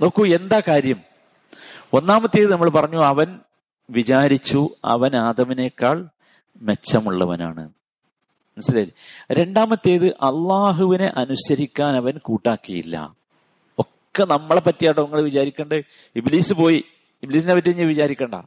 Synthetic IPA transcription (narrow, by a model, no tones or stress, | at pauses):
no̞ːkːue̞nd̪aːkaːɾjɐm | o̞nːaːmɐt̪ːe̞jðɨnɐmːɐɭpɐrɐɲːuɐʋɐn | ʋit͡ɕaːɾit͡ɕːuɐ̰ʋɐnaːd̪ɐmine̞kːaːɭ | me̞t͡ɕːɐmuɭːɐʋɐ̰na̰ːɳɨ̰ | nɐslɐilɾe̞ɳɖaːmɐt̪ːe̞ːðɨʔɐlːaːɦuʋine̞ʔɐnusɐɾikʲːaːnɐʋɐnkuːʈːaːkːɐjḭlːɐ̰ | okːe̞nɐmːɐɭepɐtːijaːʈːɐʋɐŋːɐɭeʋit͡ɕaːɾikʲːeːɳɖɨ | ibliːsɨpo̞ːji | ibliːs̬inepɐt̬ːiiɲːɐʋit͡ɕaːɾikʲːeːɳɖɐ̰